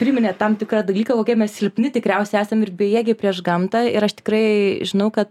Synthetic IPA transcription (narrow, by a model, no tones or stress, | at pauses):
pʲɾʲɪmʲɪnʲɛt̪ɐmt̪ʲɪkɾɑd̪ɐlʲiːkɐkoːkʲiɛmʲɛssʲɪlʲpʲnʲɪt̪ʲɪkɾʲɛʊsʲɛɪæːsʲɐmɪɾbʲɛjiɛɡʲɪpʲɾʲiɛʃɡɐmt̪ɑɪɾɐʃt̪ʲɪ̥kɾɐɪʒʲɪnɐʊkɐt̪